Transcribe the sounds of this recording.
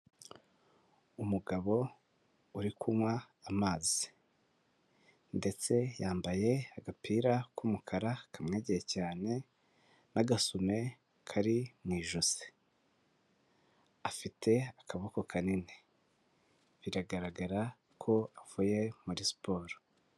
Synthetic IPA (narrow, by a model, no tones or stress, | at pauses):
umuɡaβo̞ | uɾikʰumwaː | maːzi̥ | nde̞t͡se̞jaːmbaje̞aɡapʰiːɾakumukʰaɾakʰamŋe̞ːɟejecaːne̞ | naɡasume̞ | kʰaɾimŋiːʒuze̥ | afitʰe̞akaβoko̞kanine | βiɾaɡaɾaɡaɾa | kʰo̞avuːje̞muɾispʰo̞ːɾo̥